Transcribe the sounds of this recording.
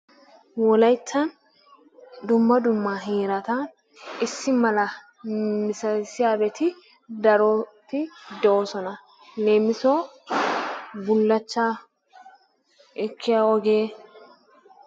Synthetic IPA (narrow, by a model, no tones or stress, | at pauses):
wɔlɐjtːɐn | d̪ʊmːɐd̪ʊmːaːɦiːɾɐt̪ɐ | ɪsːɪmɐlɐ | mɪsɐsɪjaːbɛt̪ɪ | d̪ɐɾot̪ɪd̪ɛoːsɔnɐ | le̞ːmːɪsoː | bʊlːɐt͡ʃːaː | ɛkʰːɪjaːɔɡeː